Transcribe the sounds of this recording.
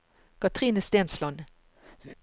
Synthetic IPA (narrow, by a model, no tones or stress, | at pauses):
kɑt̪ʁiːnəst̪eːnslɔn